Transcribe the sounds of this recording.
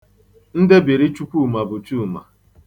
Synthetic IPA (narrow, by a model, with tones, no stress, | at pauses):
n̩˦dɪ˦bi˨ɾi˦t͡ʃu˦kʷu˦˨ma˨bʊ˨t͡ʃu˦˨ma̰˨